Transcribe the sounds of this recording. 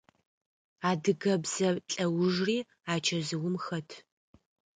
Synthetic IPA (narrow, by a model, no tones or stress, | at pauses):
aːdɨɡɐbzɐɬʼɐwʊʒriː | aːt͡ʃʰɐzɨwʊmxɐtʰ